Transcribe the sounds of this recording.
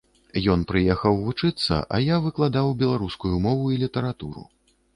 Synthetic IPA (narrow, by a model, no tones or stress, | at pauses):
jɔnpɾɨjɛxɐwvut͡ʂɨt̪sːɐ̰ʔa̰javɨklˠad̪awbʲɛlˠaɾuskujumɔvuilʲit̪ɐɾat̪uɾṵ